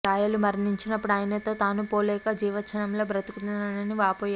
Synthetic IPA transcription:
ɾaːjɐlumɐɾniɲt͡ʃinɐpːuɽaːjɐnɐt̪o̞ːt̪aːnupoːlɛːkɐd͡ʒiːʋɐt͡ʃʰɐnɐmlo̞ːbɾɐt̪ukut̪unɐnɐniʋaːpoːja

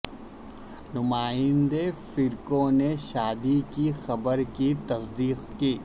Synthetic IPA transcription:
nʊmaːɪ̃nd̪efɪɾkõneʃaːd̪ikixɐbəɾkit̪ɐsd̪iːqkiː

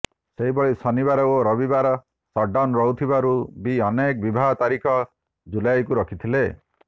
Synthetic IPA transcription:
seɦibɔɭisɔniβaɾɔoɾɔbibaɾɔ | sɔɖanɾɔɦut̪ʰibaɾubiɔnek̚bibʱaɦɔt̪aɾikʰɔ | d͡ʒulajkuɾɔkʰit̪ʰile

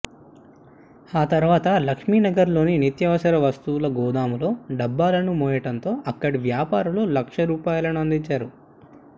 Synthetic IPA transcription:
aːt̪ɐɾʋaːt̪ɐlɐkʂmiːnɐɡɐɾlo̞ːninit̪jɐʋɐsɐɾɐʋɐst̪uːlɐɡɔːd̪aːmulo̞ːɖɐbːaːlɐnumɔːjɐʈɐnt̪o̞ːʔɐkːɐɽiʋjaːpaːɾululɐkʂɐɾuːpaːjɐlɐnuɐnd̪iɲt͡ʃaːɾu

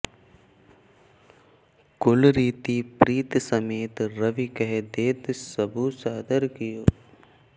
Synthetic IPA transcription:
kʊlɾiːt̪ipɾiːt̪səmeːt̪ɾɐʋikəɦed̪eːt̪səbʱusaːd̪əɾkɪjoː

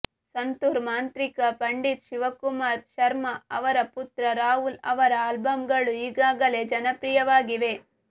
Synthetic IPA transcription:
sɐnt̪uɾmaːnt̪ɾikɐpɐɳɖit̪ʃiʋɐkumaːɾʃɐɾmɐɐʋɐɾɐput̪ɾɐɾaːɦulɐ̰ʋɐɾɐaːlbɐmɡɐɭuiːɡaːɡɐle̞ːd͡ʒɐnɐpɾijɐʋaːɡiʋe̞

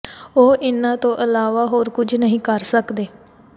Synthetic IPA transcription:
oːʔɪnãːt̪õːʔəlaːʋaːɦoːɾkʊd͡ʒʱnəɦĩːkəɾsəkd̪eː

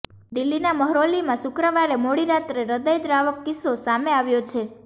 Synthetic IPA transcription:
d̪ilːinaməɦɾolimãʃʊkɾəʋaɾemoɽiɾat̪ɾeɾəd̪əjd̪ɾaʋəkːɪsosameaʋjot͡ʃʰe

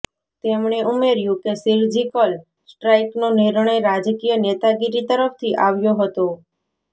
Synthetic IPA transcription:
t̪emɳ̃eʔumeɾjũkesiɾd͡ʒikəl | sʈɾajknonɪɾɳ̃əjɾad͡ʒkijənet̪aɡiɾit̪əɾəpʰt̪ʰiʔaʋjoɦət̪o

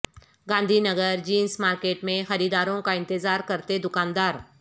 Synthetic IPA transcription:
ɡãːnd̪ʱinɐɡəɾd͡ʒiːnsmaːɾkeːʈmẽxɐɾiːd̪aːɾõkaɪ̃nt̪ɪzaːɾkɐɾt̪ed̪ʊkãːnd̪aːɾ

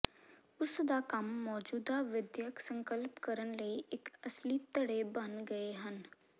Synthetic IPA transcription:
ʊsd̪aːkəmːɔːd͡ʒuːd̪aʋɪd̪jəksə̃ŋkəlpkəɾənləiːʔɪkəsliːt̪əɽeːbənɡəeɦən

